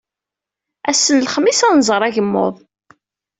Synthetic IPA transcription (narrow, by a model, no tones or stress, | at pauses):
æsːənlχəmːisæˤnzˤəɾˤæʝəmːo̰ðˤ